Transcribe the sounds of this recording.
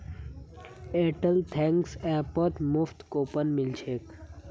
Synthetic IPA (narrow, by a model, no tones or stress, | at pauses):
eːʈəlt̪ʰɛ̃ŋksɛːpət̪muft̪koːpənmɪlt͡ʃʰeːk